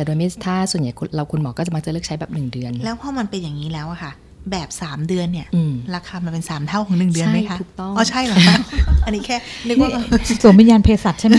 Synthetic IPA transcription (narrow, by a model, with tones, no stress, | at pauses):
t̪ɛː˨˩do˧jm˦˥˩t̪ʰaː˥˩su˨˩nja˨˩˦jkʰɾa˧wkʰu˧nmɔː˨˩˦kɔː˥˩t͡ɕa˨˩ma˧˥ŋt͡ɕa˨˩lɯː˥˩kt͡ɕʰa˦˥jbɛː˨˩p̚nɯ˨˩ŋdɯ˧ənlɛː˦˥wpʰɔː˥˩ma˧npe˧njaː˨˩ŋːiː˦˥lɛː˦˥wʔa˨˩kʰa˥˩ | bɛː˨˩p̚saː˩˦mdɯ˧ənːi˥˩ɐʔɯ˧mɾa˧kʰaː˧ma˧npe˧nsaː˩˦mt̪ʰa˥˩wkʰɔː˩˦ŋnɯ˨˩ŋdɯ˧ən˥ma˦˥jkʰa˦˥ʔ̪ʰuː˨˩k̚t̪ɔ˥˩ŋɔː˧˩t͡ɕʰa˥˩jlɔ˨˩a˦˥˩ʔa˧nːiː˦˥kʰɛː˥˩le˦˥nɔ˥˩˧su˨˩˦mi˧˥jaː˧npʰeː˧sa˨˩a˥˩m˦